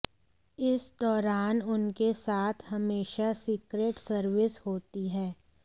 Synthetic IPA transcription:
ɪsd̪ɔːɾaːnʊnkesaːt̪ʰɦɐmeːʃasiːkɾeːʈsəɾʋɪshoːt̪iɦɛː

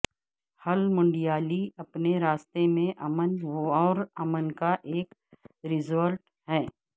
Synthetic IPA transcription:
hɐlmʊ̃ɳɖijaːliɐpneɾaːst̪emẽʔɐmənɔːɾɐmənkaʔeːkɾɪzəlʈ | ɦɛː

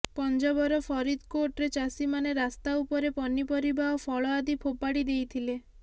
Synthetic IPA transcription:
pɔnd͡ʒɔbɔɾɔpʰɔɾid̪koʈɾet͡ʃasimaneɾast̪aupɔɾepɔnipɔɾibaɦɔpʰɔɭɔad̪ipʰopaɽid̪ejt̪ʰile

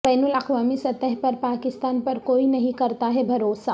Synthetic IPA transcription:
b̥ɛːnʊlɐqʋaːmisɐt̪əɦpɐɾpaːkɪst̪aːnpɐɾkoːinɐɦĩkɐɾt̪aɦɛbʱɐɾoːsaː

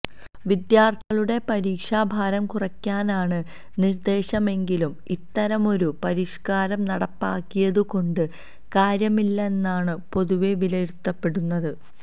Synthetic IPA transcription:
ʋid̪jaːrt̪ʰiɣɐɭuɽe̞pɐɾiːkʂaːbʱaːɾɐmkurɐkʲːaːnaːɳɨ | nird̪e̞ːɕɐme̞ŋɡilumit̪ːɐɾɐmo̞ɾupɐɾiʂkaːɾɐmnɐɽɐpːaːkːijɐðuko̞ɳɖɨ | kaːɾjɐmilːɐe̞nːaːɳɨpo̞ðuʋe̞ʋilɐɾut̪ːɐpːe̞ɽunːɐðɨ

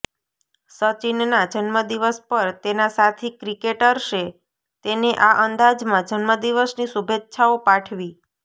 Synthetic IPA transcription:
sət͡ʃinnad͡ʒənməd̪iʋəspəɾt̪enasat̪ʰikɾikeʈəɾʃe | t̪eneʔaʔənd̪ad͡ʒmãd͡ʒənməd̪iʋəsnisubʱet̪ːʃʰaopaʈʰʋi

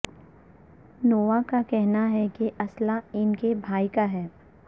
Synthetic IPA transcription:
noːʋakakɛɦnaɦɛkiʔɐslaɪnkebʱaːikaɦɛː

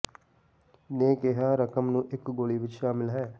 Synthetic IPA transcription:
neːkeɦaːɾəkəmnũːʔɪkɡoːɭiʋɪt͡ʃʃaːmɪlɦɛː

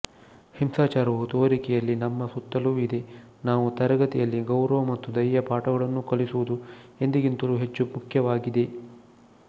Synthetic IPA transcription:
himsaːt͡ʃaːɾɐʋut̪oːɾikɛjɐlːinɐmːɐsut̪ːɐluːid̪e̞ | naːʋut̪ɐɾɐɡɐt̪ijɐlːiɡɐwɾɐʋɐmɐt̪ːud̪ɐjːɐpaːʈɐɡɐɭɐnːukɐɭisuʋud̪ue̞nd̪iɡint̪ɐluɦe̞t͡ʃːumukʰjɐʋaːɡid̪e̞

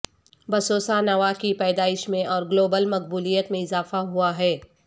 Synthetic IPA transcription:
bɐsoːsanɐʋakipɛːd̪aːɪʃmẽʔɔːɾɡloːbəlmɐq̚buːlijət̪mẽɪzaːfaɦuaɦɛː

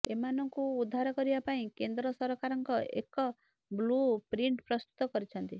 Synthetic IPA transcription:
emanɔŋkuːd̪ʱːaɾɔkɔɾibapaĩkend̪ɾɔsɔɾɔkaɾɔŋkɔʔḛkɔ | blupɾiɳʈpɾɔst̪u̥t̪ɔkɔɾit͡ʃʰɔnt̪i

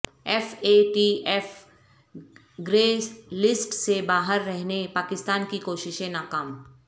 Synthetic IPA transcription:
ɛfeːʈiːʔɛːf | ɡɾeːslɪsʈsebaːɦəɾːɛɦnepaːkɪst̪aːnkikoːʃɪʃẽnaːkaːm

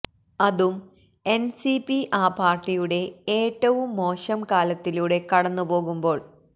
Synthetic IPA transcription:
ɐðum | e̞nsipiʔaːpaːrʈːijuɽe̞eːʈːɐʋumːo̞ːɕɐmkaːlɐt̪ːiluɽe̞kɐɽɐnːupo̞ːɣumbo̞ːɭ

